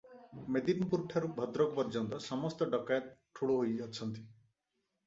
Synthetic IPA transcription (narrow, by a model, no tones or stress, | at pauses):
med̪inpuɾʈʰaɾubʱɔd̪ɾɔkɔpɔɾd͡ʒɔnt̪ɔsɔmɔst̪ɔɖɔkajɔt̪̚ʈʰuɭoɦojɔt͡ʃʰɔnt̪i